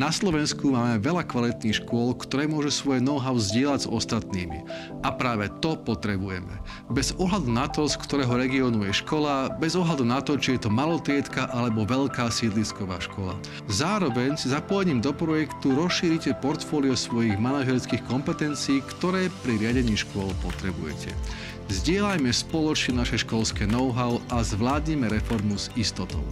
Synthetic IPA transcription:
naslɔʋɛnskumaːmɛʋɛʎakʋalit̪niːxʃkʊɔlkt̪ɔɾɛːmʊɔʒusʋɔjɛnɔʊɦaʊzɟɪɛlaɟzɔ̰st̪at̪niːmḭ | ʔapɾaːʋɛt̪ɔpɔt̪ɾɛbujɛ̰mɛ̰ | bɛzɔɦlad̪unat̪ɔskt̪ɔɾɛːɦɔɾɛɡiɔːnujɛʃkɔlabɛzɔɦlad̪unat̪ɔt͡ʃijɛt̪ɔmalɔt̪ɾɪɛt̪kaʔalɛbɔʋɛʎkaːsɛd̪liskɔʋa̰ːʃkɔla̰ | zaːɾɔʋɛɲsizapɔjɛɲiːmd̪ɔpɾɔjɛkt̪uɾɔsʃiːɾicɛpɔɾt̪fɔːliɔsʋɔjiɣmanaʒɛɾskiːxkɔmpɛt̪ɛnt͡siːktt̪ɔɾɛːpɾiɾɪaɟɛɲiːʃkʊɔlpɔt̪ɾɛbṵjɛ̰cʰɛ̰ | zɟɪɛlajmɛspɔlɔt͡ʃɲɛnaʃɛʃkɔlskɛːnɔʊɦaʊʔazʋlaːd̪ɲimɛɾɛfɔɾmuzist̪ɔt̪ɔ̰ʊ

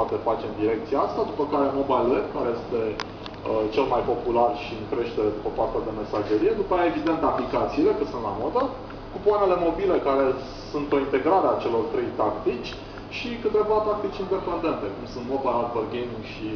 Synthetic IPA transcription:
pat̪e̞fat͡ʃe̞md̪iɾe̞k̚t̪siaast̪ad̪upəkaɾe̞mo̞bajlekaɾejest̪e̞ | ət͡ʃe̞lmajpo̞pularʃiɨŋkɾe̞ʃt̪e̞ɾed̪upəpart̪ad̪e̞me̞saʒe̞ɾije̞d̪upajaevid̪e̞nt̪aplikat̪siːle̞kət̪sunt̪la̰mod̪ə | kupoanele̞mo̞bile̞kaɾe̞ | sunt̪o̞int̪e̞ɡɾaɾeat͡ʃe̞lo̞rt̪ɾe̞jt̪akt̪it͡ʃʲ | ʃikɨt̪e̞vat̪ak̚t̪it͡ʃʲind̪e̞pe̞nd̪e̞nt̪e̞kumsunt̪mo̞bajad̪verɡejmiŋɡʃi

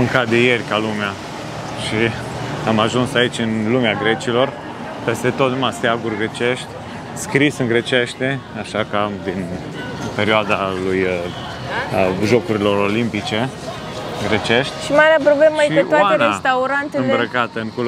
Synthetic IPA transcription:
ɨŋkat̪̚d̪eje̞rʲkalumea | ʃi | amaʒunsait͡ʃʲɨnlumeaɡɾe̞t͡ʃilo̞r | pe̞st̪e̞t̪ot̪numast̪eaɡurʲɡɾet͡ʃe̞ʃt̪ʲ | skɾisɨŋɡɾe̞t͡ʃe̞ʃt̪ʲeaʃakad̪in | pe̞ɾioad̪aluj | ʒo̞kuɾilo̞ɾo̞limpit͡ʃe̞ | ɨɡɾet͡ʃeʃt̪ʲʃimaɾeapɾobleməjeeoaaeneast̪auɾant̪eɨmbɾəkat̪əɨŋkul

